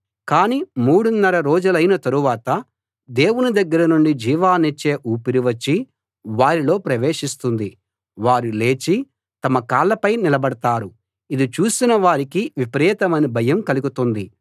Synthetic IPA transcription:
kaːniːmuːɽunːɐɾɐɾo̞ːd͡ʒulɐjnɐt̪ɐɾuʋaːt̪ɐ | d̪e̞ːwunud̪ɐɡːɐɾɐnuɳɖid͡ʒiːʋaːnet͡ʃːe̞ːʔuːpiɾiʋɐt͡ʃːi | ʋaːɾilo̞ːpɾɐʋe̞ːʂist̪und̪i | ʋaːɾile̞ːt͡ʃi | t̪ɐmɐkaːlɐpɐjnilɐbɐɽɐt̪aːɾu | id̪it͡ʃuːsinɐʋaːɾikiʋipɐɾɛːt̪ɐmɐnibʱɐjɐmkɐluɡut̪und̪i

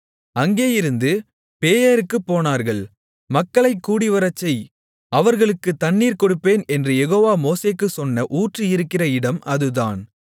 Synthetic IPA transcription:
ɐŋɡeːjɪɾɯnd̪ɯ | peːjɐɾɯkːɯpːoːnaːɾɣɐɭ | mɐkːɐɭɐɪkːuːɽɪʋɐɾɐt͡ʃːɐɪ | ɐʋɐɾɣɐɭɯkːɯt̪ɐnːiːɾkɔɽɯpːeːnɛndrɯjɛɣoːʋaːmoːseːkːɯsɔnːɐʔuːʈrɯɪɾɯkːɪrɐɪɽɐmɐðɯðaːn

